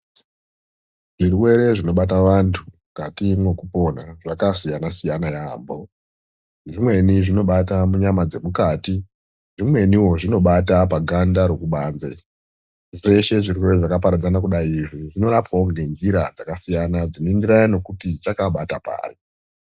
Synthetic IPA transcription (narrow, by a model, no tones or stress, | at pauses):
ʐiruwe̞ɾe̞ʐino̞ɓat̬aʋantʰu | katimwe̞kupo̞naʐakasijanasijanajaːmbo̞ | ʐimwe̞niʐino̞ɓatamuɲamad͡ze̞mukaːti | ʐimwe̞niwo̞ʐino̞ɓatapaɡʱandaɾo̞kuɓaːnze | ʐe̞ʃe̞ʐiruwe̞ɾe̞ʐakap̬aɾad͡zanakuɗaiiʐiʐino̞ɾapoŋɡend͡ʒiɾa̰d͡zakasijanad͡zinoindiɾajano̞kutit͡ʃakaɓatapa̰ːri